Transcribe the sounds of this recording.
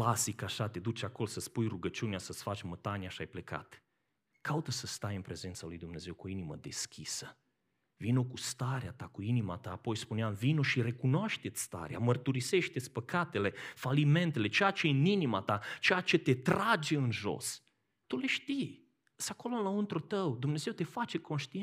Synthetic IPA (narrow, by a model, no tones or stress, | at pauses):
klasikaʃat̪e̞d̪ut͡ʃako̞losəspujruɡət͡ʃuneasət̪sfat͡ʃʲmət̪anjaʃiajpleka̰t̪ | kaut̪əsəst̪ajɨnpɾe̞ze̞nt̪salujd̪umne̞ze̞wkuoinimə̰d̪e̞skʲʰisə | vinokust̪aɾeat̪akuinima̰t̪aːpo̞jspuneamvinoʃiɾe̞kunoaʃt̪e̞t̪sʲst̪a̰ɾea̰mərt̪uɾise̞ʃt̪e̞t̪sʲpəkat̪e̞le̞falime̞nt̪ele̞t͡ʃejat͡ʃe̞ɨninimat̪at͡ʃejat͡ʃe̞t̪e̞t̪ɾad͡ʒe̞ɨnʒo̞̰s | t̪ule̞ʃt̪ij | sako̞lolaɨnt̪ɾut̪əwd̪umne̞zewt̪e̞fat͡ʃe̞ko̞nʃt̪i